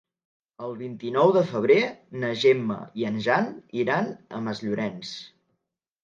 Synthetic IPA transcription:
əlˠβint̪inɔwðəfəβ̞ɾenəʒemːə̰iənʒaniɾanə̰məzʎuɾɛns

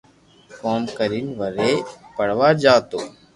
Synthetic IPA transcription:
koːmkəɾiːnʋəɾeːpəɽ̤ʋaːd͡ʒaːt̪oː

